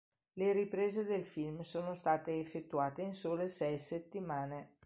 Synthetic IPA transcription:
leɾipɾeːzed̪elfilmsoːnost̪aːt̪eːfːet̪ːuaːt̪einsoːlesɛjset̪ːimaːne

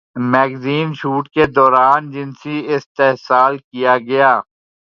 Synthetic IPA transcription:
mɛːɡziːnʃuːʈked̪ɔːɾaːnd͡ʒɪnsiɪst̪eɦsaːlkijaɡɐjaː

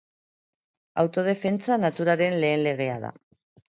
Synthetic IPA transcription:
a̰wt̪o̞ð̞e̞fe̞nt͡sanat̪uɾaɾe̞nle̞ːnle̞ɣ̞e̞aða̰

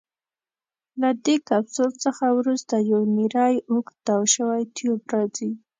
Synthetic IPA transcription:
lad̪ekabsolt͡səxawɾust̪ajawniɾɑjʊkd̪̥ɑwʃəwajt̪jubɾɑzi

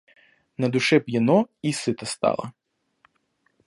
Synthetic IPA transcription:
nɐd̪ʊʃɛpjɐnɔisɪt̪ɐst̪ɑ̰lˠɐ̰

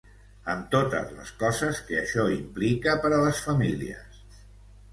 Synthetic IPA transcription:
əmt̪ot̪ə̰zlə̰skɔzəskəəʃɔimplikəpəɾələsfəmiliə̰s

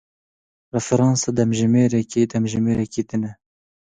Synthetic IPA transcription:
rɛfɛɾɑːnsɑːd̪ɛmʒɪmeːɾɛkeːd̪ɛmʒɪmeːɾɛkeːt̪ɨnɛ

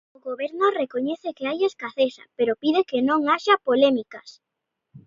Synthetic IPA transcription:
oɣoβeɾnorekoɲeθekeajeskaθesa̰peɾopiðekenõŋaʃapolemikas

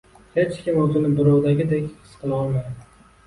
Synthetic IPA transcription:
he̞t͡ʃkʲɪmozɪnɪbɪɾɑwd̪aɡʲɪd̪e̞kʲχɨ̥sqʰɨlˠɒlˠmajd̪ɪ

